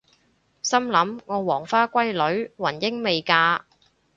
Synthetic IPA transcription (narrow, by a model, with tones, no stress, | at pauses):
sɐ˥mlɐ˨˥mŋɔː˨˧wɔː˨˩ŋfaː˥kʷɐ˥jlɵ˨˥ɥwɐ˨˩njɪ˥ŋme˨jkaː˧